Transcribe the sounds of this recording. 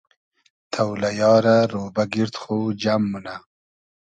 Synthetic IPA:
t̪ʰawlajɑːɾaɾoːbaɡɪɾt̪xod͡ʒamːuna

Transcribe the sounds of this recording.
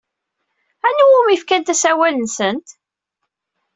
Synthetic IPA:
ænuwumifkænt̪æsæwælənsənt̪

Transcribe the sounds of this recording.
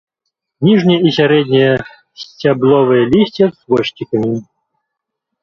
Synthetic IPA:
nʲiʐnʲɛjɛisʲaɾɛd̪ʲnʲɛjɛ | sʲt͡sʲablˠɔvɨjɛlʲisʲt͡sʲɛzvɔɕʲtʲikɐmʲi

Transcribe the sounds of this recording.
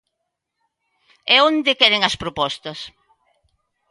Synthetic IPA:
ɛõnd̪ɪkɛɾeŋɐspɾopɔst̪ɐs

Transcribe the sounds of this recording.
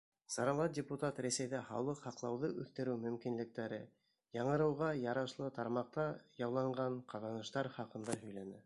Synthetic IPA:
sɑɾɑlˠɑt̪̚dʲɪput̪at̪ɾæsæjðæχɑ̰wlˠɤqhɑqlˠɑwðɤʔʉθt̪ɘ̆ɾɘwmɵ̆mkinlɘ̆k̚t̪æɾɘ | jɑɴɤ̆ɾɤ̆wʁɑjɑɾɑʃlˠɤt̪ɑɾmɑq̚t̪ɑjɑwlˠɑɴʁɑɴqʰɑðɑnɤ̆ʃt̪ɑɾχɑqɤ̆nd̪ɑɦɵ̆jlænɘ

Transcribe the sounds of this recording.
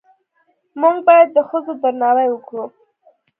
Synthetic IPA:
muŋɡ̚bɑjad̪ːəxəzod̪əɾnɑɾajwəkɽu

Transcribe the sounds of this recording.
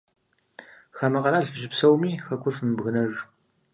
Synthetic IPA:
xɐmɐqɐɾaːɮfɨʒɪpsɐwmiːxɐkʷʰʊrfmbɣɨnɐʒ

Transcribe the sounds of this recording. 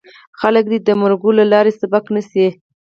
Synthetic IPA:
xalək̚d̪id̪əmaɾɡolalɑɾesabɑknəse

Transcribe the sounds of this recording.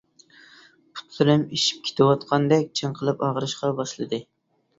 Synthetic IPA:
pʰu̥t̪ːɨɾɪmeʃi̥p̚kʲʰe̥t̪ʰɪwɑt̪qʰɑnd̪ɛk̚ʲt͡ʃʰɨŋqʰəlˠɨpɑʁɾɨʃqɑbɑʃlˠɨd̪ɨ

